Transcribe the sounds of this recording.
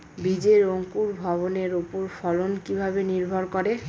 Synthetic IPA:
bid͡ʑeɾoŋkuɾbʱɔβoneɾupoɾfʰɔlonkibʱabeniɾbʱɔɾkɔɾe

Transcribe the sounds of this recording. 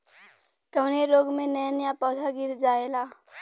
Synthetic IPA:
kəneɾoɡmẽnəjanjapɔt̪ʰaɡiɾd͡ʒaːela

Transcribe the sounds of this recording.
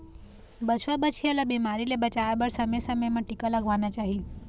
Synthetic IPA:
bət͡ʃʰʋabət͡ʃʰiəlabimaɾilebət͡ʃaʋabəɽsəməjsəməjmãʈikalaɡʱʋanat͡ʃaɦi

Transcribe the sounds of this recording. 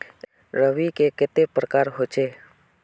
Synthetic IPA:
rəwikeket̪epərkaɾɦo̥d͡ʒe

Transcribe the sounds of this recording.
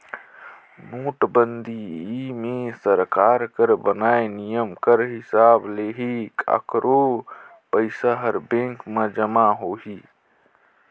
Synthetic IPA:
noːʈbənd̪ʱiimẽsəɾkaːɾkəɾbənaːenijəmkəɾɦɪsaːbleːɦikə̰kɾo | pəɪsaɦəɾbẽŋkməd͡ʒəmaɦoːɦi

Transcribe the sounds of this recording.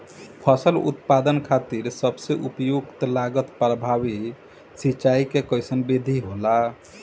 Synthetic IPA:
pʰəsəlṵt̪pad̪ənkʰat̪iɾsəbseʔupjuɡt̪laɡət̪pɾəbʱabi | sit͡ʃaikekəjsənbed̪ʱiɦola

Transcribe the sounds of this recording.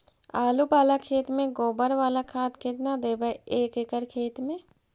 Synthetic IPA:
aːlubaːlakʰeːt̪mẽɡoːbəɾʋaːlakʰaːt̪kʰɪt̪nad̪eːbəeːkekəɾkʰeːt̪mẽː

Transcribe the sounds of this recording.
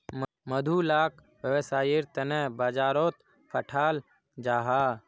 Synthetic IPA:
məd̪ʱulaːk | ʋəʋsaːjɪɾt̪ənɛbaːd͡ʒaːɾoːt̪ | pʰəʈʰaːl | d͡ʒaːɦaː

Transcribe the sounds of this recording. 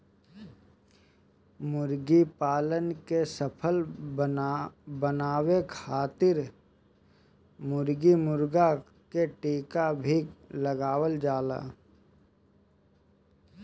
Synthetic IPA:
mʊɾɡipaːlənkesəpʰəl | bənaːwekʰaːt̪ɪɾ | mʊɾɡimʊɾɡa | keʈeːkabʱiləɡaːwəld͡ʒaːla̰ː

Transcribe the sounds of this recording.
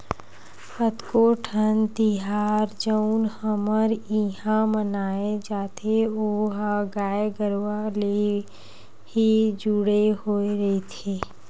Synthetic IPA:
pət̪koːʈʰənt̪iɦaːɾd͡ʒəʊnhəməɾiɦãmənaːed͡ʒaːt̪ʰeoːɦaɡaːeɡəɾwale | hid͡ʒuɽeɦoeɾet̪ʰeː

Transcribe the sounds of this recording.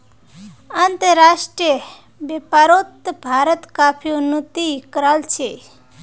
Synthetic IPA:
ant̪əɾaʃʈɾiə | bepaɾot̪bʱaɾət̪kapʰijounut̪iːkɾalt͡ʃʰe

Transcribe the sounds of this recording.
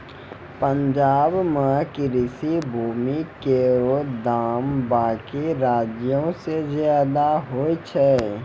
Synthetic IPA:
pə̃ɲd͡ʒaːbmãkiɾɪsibʱuːmikeɾod̪aːmbaːkiɾaːd͡ʒjõsezjaːd̪aɦoːit͡ʃʰɛ

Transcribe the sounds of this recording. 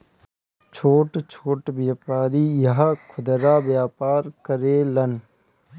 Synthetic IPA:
t͡ʃʰoːʈt͡ʃʰoːʈbjaːpaːɾiːjɐɦkʰʊd̪ɾaːbjaːpaːɾkəɾeːlən

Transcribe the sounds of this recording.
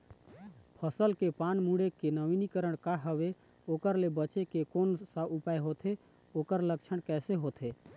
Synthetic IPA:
pʰəsəlkepanmuɽekenəʋinikəɾəɽ̃kaɦəʋe | oːkəɾlebət͡ʃekekonsəʔupaeɦot̪ʰe | oːkəɾləkt͡ʃʰəɽ̃kɛːseɦot̪ʰe

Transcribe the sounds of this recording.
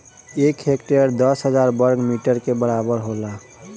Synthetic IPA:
ekɦekʈeəɾd̪əsɦəd͡ʒaɾbəɾɡmiʈəɾkebəɾabəɾɦola

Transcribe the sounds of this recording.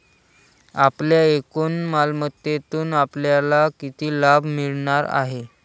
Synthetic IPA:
apljaekuːnmalmət̪jet̪uːnapljalakit̪iːlabʱmiɭɳaɾa̰ɦe

